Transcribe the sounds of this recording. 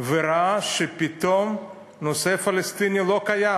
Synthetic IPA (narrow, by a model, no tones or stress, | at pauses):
veɾaaʃepit̪om | nosefalest̪inilokaja